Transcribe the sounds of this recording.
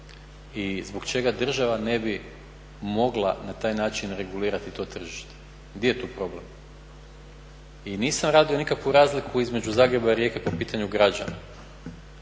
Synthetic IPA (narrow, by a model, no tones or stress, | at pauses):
izbo̞ɡt͡ʃe̞ɡad̪r̩ʒaʋane̞bi | mo̞ɡlˠa̰nat̪aːjnaːt͡ʃinɾe̞ɡuliːɾat̪it̪o̞ːt̪r̩ʒiʃt̪e̥ | ɡd̪jejet̪uːpɾo̞ble̞̰m | iniːsamɾaːd̪io̞nikakʋuɾaːzlikʰuizme̞d͡ʒuzaːɡɾe̞baiɾje̞kepo̞piːt̪aɲuɡɾad͡ʑa̰na̰